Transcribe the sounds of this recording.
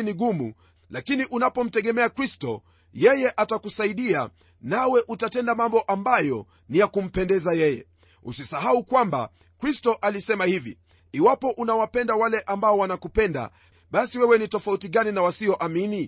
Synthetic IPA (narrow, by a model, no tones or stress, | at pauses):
niɠumṵ | lakiniʔunapɔm̩tɛɠɛmɛakɾistɔ | jɛjɛʔatakusaiɗia̰ | nawɛʔutatɛndamambɔʔambajɔ | nijakum̩pɛndɛzajɛjɛ̰ | ṵsisaɦaukwamba̰ | kɾistɔʔalisɛmahivḭ | iwapɔʔunawapɛndawalɛʔambaɔwanakupɛnda̰ | ɓasiwɛwɛnitɔfautiɠaninawasiɔʔamini